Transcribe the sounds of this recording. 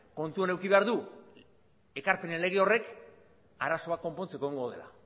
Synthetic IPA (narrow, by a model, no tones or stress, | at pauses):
ko̞nt̪uane̞wkiβe̞aɾðu | e̞kaɾpe̞nele̞ɣ̞io̞re̞k | aɾaso̞ako̞mpo̞nt͡sekoiŋɡoðe̞la̰